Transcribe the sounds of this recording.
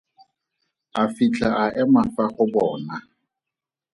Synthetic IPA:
afit͡ɬʼaʔaʔɛmafaχʊbɔːna

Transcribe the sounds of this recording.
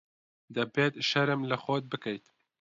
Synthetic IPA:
d̪ɐbeːt̪ʃɐɾɨmlɐxɔt̪̚bɨkɛjt̪

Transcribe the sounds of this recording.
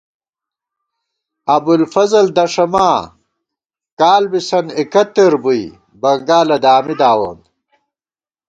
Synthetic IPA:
ɐbulfɐzɐld̪ɐʂɐmaː | kaːlbisɐnikɐt̪ːeɾbuj | bɐŋɡaːlɐd̪aːmid̪aːwo̰ːn

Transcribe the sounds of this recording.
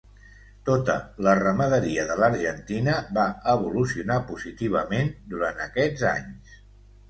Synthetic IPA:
t̪ot̪ə̰lərəməðəɾiəðələɾʒənt̪inəβaəβulusiunapuzit̪iβ̞əmend̪uɾant̪əkɛd͡za̰ɲs

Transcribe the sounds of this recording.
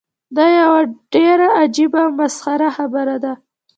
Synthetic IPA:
d̪ɑjawaɖ̥eɾaad͡ʒibamasxaɾaxabəɾad̪a

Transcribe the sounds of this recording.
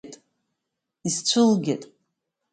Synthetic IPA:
tʼ | izt͡sʷʰɨlɡʲetʼ

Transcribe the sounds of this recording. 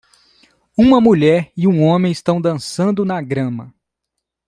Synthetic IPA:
ũmɐmuʎɛɾɪũõmẽj̃ɪst̪ɐ̃w̃d̪ɐ̃sɐ̃nd̪ʊnɐɡɾɐ̃mɐ

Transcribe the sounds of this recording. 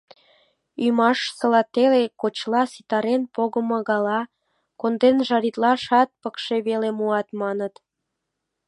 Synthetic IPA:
ymɑʃsə̆lɑt̪elekot͡ɕlɑsit̪ɑɾenpoɣəmŏɣɑlɑ | kond̪enʒɑɾit̪lɑʃɑt̪̚pəkʃeβelemuɑt̪mɑnət̪

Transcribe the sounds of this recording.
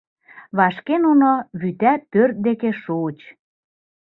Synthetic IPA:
βɑʃkenunoβyt̪æpørt̪̚d̪ekeʃut͡ɕ

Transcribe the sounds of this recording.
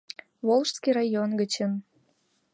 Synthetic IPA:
βolˠʃskiɾɑjonɡət͡ɕən

